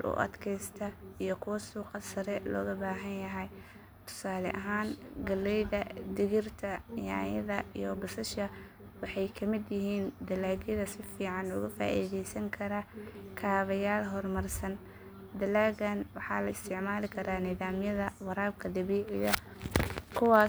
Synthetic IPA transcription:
lʔʊ̰ʔɐ̰d̪kʰɛjst̪ʰɐijɔkʰʊwɐsuːqɑsɐɾɛlɔ̰ːɣɐbaːɦɐnjɐɦɛj | t̪ʰʊ̥saːlɛ̰ʔɐɦaːnɡɐlːɛjðɐd̪ɪɣɪrt̪ʰɐɪjaːjɐðɐḭjɔbɐsɐʃɐ | wɑħɑjkʰɐmɪd̪jɪɦiːnd̪ɐlaːɣjɐðɐsɪfiːʕɑnʊɣʊfa̰ːʔḭːðɛjsɐŋkʰɐɾɐkʰaːβɐjaːlɦɔrmɐrsɐn | d̪ɐlaːɣɐnwɑħɑ̰ːlɐɪst̪ʰɪʕmaːlɪkʰɐɾaːnɪðaːmjɐðɐwɑɾaːbkʰɐd̪ɐβiːʕɪjɐ | kʰʊwɑː

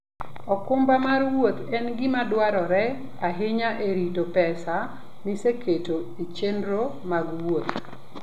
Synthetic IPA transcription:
ɔkʊmbamarwot̪ɛnɡɪmadwaɾɔɾɛ | aɦɪɲaʔeɾitopɛsa | nɪsekʰeto | it͡ʃenɾo | maɡwot̪̚

